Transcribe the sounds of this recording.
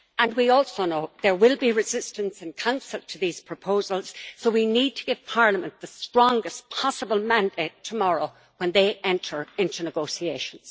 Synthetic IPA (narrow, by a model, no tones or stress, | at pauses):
ə̃nwiɔlˠsoʊnoʊðə˞wɪlˠbiɹɨzɪstə̃nsɨ̃nkʰãʊ̃nsəlˠtʰəðiz̥pʰɹ̥əpʰoʊzəlˠz̥soʊwinid̚tʰəɡ̥ɪv̥pʰaɹləmə̃nðəstɹ̥ɔ̃ŋɡəspʰɑsəbəlˠmãndeɪtʰəmɔɹoʊ | wə̃nðeɪʔɛ̃ntʰə˞ɪ̃ntʉnɨɡoʊsieɪʃə̃nz̥